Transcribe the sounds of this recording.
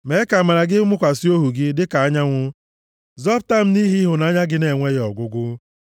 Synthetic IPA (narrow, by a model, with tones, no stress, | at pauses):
me˨˦ɪ˦ka˨ma˨ɾa˨ɡɪ˦mʊ˦kʷa˨si˦o˦ɦu˨ɡɪ˦dɪ˦ka˨a˦ɲa˦ŋʷʊ˦ | zɔ˦pta˦m̩˦ni˦ɦi˦ɦʊ˨na˨˦ɲa˦ɡɪ˦ne˨ŋʷe˦ɣɔ˨ɡʷʊ˦ɡʊ˦